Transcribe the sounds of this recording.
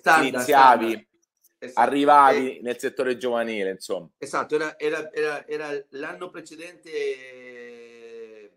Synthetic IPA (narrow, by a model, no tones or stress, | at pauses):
st̪ainit̪sːjaːvi | arːivaːvinelset̪ːoːɾed͡ʒovaniːleinsomːaezat̪ːoɛːɾaɛːɾaɛːɾaɛːɾalanːopɾet͡ʃed̪ɛnt̪e